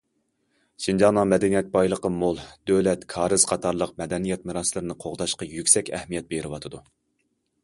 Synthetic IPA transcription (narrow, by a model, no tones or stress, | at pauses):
ʃind͡ʒɑnɑmɛd̪ɛnijɛt̪̚bɑjlˠəqəmolˠd̪ølɛt̪kʰɑːɾɨz̥qʰɑt̪ʰɑɾlˠəqmɛd̪ɛnijɛt̪mɨɾɑslˠɨɾɨnɨqʰoʁd̪ɑʃqɑjykʲsɛkʲɛhmijɛt̪̚beɾɪwɑt̪ʰɨd̪u